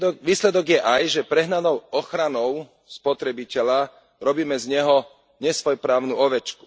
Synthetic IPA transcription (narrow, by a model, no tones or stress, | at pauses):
ʋiːslɛd̪ɔɡjɛʔajʒɛpɾɛɦnanɔʊɔxɾanɔʊ | spɔt̪ɾɛbicɛʎa | ɾɔbiːmɛzɲɛɦɔ | ɲɛsʋɔjpɾaːʊnuɔʋɛt͡ʃku̥